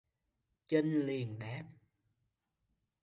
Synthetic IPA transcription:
t͡ɕə˧nli˨˩əŋɗɛ˦˥p̚

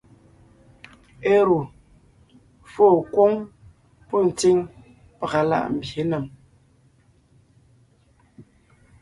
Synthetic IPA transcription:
e˦ɾu˨ | fo˦˨kwo˦ŋ | pɔ˦˨n̩˨t͡si˦ŋ | pə˨ɣa˨la̰˦˨ʔm̩˨bje˨˦nə˨m

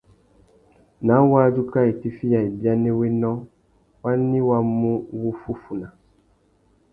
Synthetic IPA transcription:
nã˨˦wa˦d͡ʒu˦ka˦e˨ti˦fi˦ja˨e˨bi˦a˦nẽ˦we˦nɔ̃˦ | wa˦nĩ˦wa˦mũ˦wu˦fu˦fu˨nã˨

